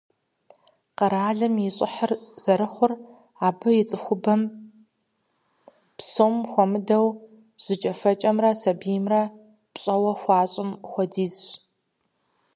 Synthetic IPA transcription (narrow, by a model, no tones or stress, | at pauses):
qɐɾaːɮɐmjɪɕʼɪ̰ħərz̥ɐɾɨχʷʊr | aːbɨjɪt͡sʼɨxʷʊbɐm | psomxʷɔmɨdɐw | ʑ̥ɨt͡ʃʼɐfɐt͡ʃʼɐmrɐsɐbijmrɐ | pɕʼɐwɐxʷɑːɕʼɪmxʷɔdiːzɕ